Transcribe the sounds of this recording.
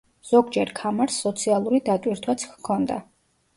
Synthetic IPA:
z̥ɔɡd͡ʒɛɾkʰamaɾsːɔt̪sʰialˠuɾid̪at̪ʼwiɾt̪ʰwat̪sʰkkʰɔnd̪a̰

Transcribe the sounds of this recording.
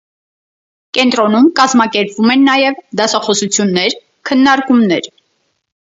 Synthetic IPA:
kɛnt̪ɾɔnumkɑzmɑkɛɾpvumɛnːɑjɛvd̪ɑsɑχɔsut͡sʰjunːɛɾ | kʰənːɑɾkumnɛɾ

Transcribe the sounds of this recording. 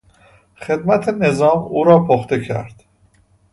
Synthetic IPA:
χe̞d̪mæt̪ʰene̞zɒːmuːɾɒːpʰoχt̪ecʰæ̰ɾd̪̥

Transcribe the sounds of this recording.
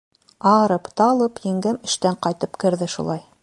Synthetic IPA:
ɑɾɤpt̪ɑlˠɤpjɘ̆ŋɡæmɘ̆ʃt̪æɴqɑjt̪ɤpkɘ̆ɾðɘʃṵlˠɑj

